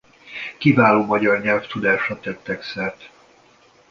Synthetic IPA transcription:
kivaːloːmɒɟɒrɲɛlft̪ud̪aːʃɒt̪ɛt̪ːɛksɛrt̪

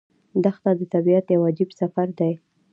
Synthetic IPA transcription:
d̪axt̪ad̪ət̪abiat̪jawɑd͡ʒɪbsafaɾd̪aj

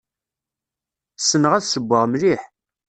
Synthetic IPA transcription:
sːənəʁæðsəbʷːəʁmliħ

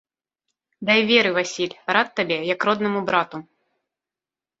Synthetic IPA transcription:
d̪ajvʲɛɾɨvasʲilʲɾat̪ːabʲɛjɐkɾɔd̪nɐmubɾat̪u

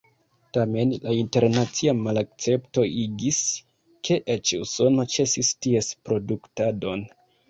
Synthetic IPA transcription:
tame̞nlainte̞ɾnat͡siamalak̚t͡se̞pto̞ʔiɡis | kʰe̞ʔet͡ʃuso̞no̞t͡ʃe̞sistie̞spɾo̞duktado̞n

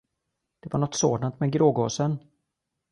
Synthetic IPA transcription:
d̪̥ɛvaɳɔt̪soːd̪ant̪mɛɡɾoːɡoːsən

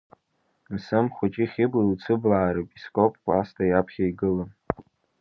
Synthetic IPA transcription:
msɨmχʷat͡ʃʼɪχʲɪbilt͡sʰɨblaːɾɨpʼiskʷʼopʰʼkʷʼastʰajapʰχʲaiɡɨlɨm

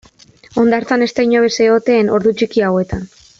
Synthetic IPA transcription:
o̞nd̪aɾt͡sane̞st̪ajɲoβeseo̞t̪e̞ːno̞ɾðut͡ʃikiawe̞t̪an

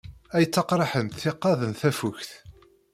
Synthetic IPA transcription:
æjət͡sːɑqɾˤɑħənθθɪqːɑðənθæfuçθ

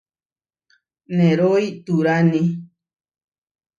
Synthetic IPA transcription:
nẽɾoiʔt̪uɾanĩ

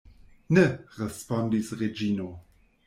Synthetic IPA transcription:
neɾespondisɾed͡ʒino

